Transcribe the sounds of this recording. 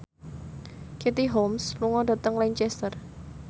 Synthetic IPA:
ket̪iɦomsluŋɔɖa̤t̪əŋlɛɲt͡ʃɛst̪ər

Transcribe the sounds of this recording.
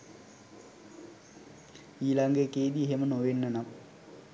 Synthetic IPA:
iːlaŋɡekeːd̪ieɦemənoʋenːənam

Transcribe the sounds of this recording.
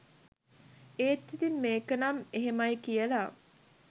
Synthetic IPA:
eːt̪ːit̪imːeːkənɐmeɦemɐjkijəla

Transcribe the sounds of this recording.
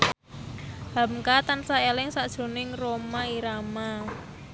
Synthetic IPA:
ha̤mkat̪ansaelɪŋsaʔd̥ʒ̥ɾo̤nɪŋromaiɾama

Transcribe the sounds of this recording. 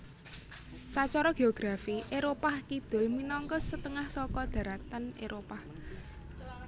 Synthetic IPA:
sat͡ʃɔɾɔɡ̥e̤oɡ̥ɾafiʔeɾopahkid̪̥ʊ̤lminɔŋkɔsət̪əŋahsɔkɔd̪̥a̤ɾat̪aneɾʔopah

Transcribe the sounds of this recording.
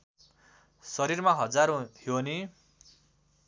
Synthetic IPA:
sʌɾirmaɦʌd͡zaɾohjoni

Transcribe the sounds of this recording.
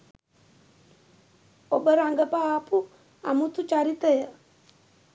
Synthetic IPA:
obəɾaŋɡəpaːpu | a̰mut̪ut͡ʃaɾit̪əjə

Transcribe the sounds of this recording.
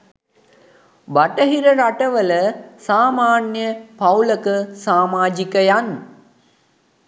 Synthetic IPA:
baʈəɦiɾəɾaʈəʋələsaːmaːnjəpawləkəsaːmaːd͡ʒikəjan

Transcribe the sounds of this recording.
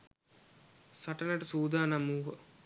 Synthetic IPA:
sɐʈɐlɐʈɐsuːd̪aːnɐmuːɦə

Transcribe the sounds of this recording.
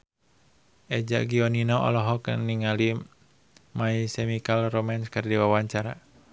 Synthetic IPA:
ʔɛd͡ʒa̰ʔɡiɔninɔɔ̰lɔɦɔkniŋali | maisɛmikalromanskɨrdiwawaɲt͡ʃaɾa

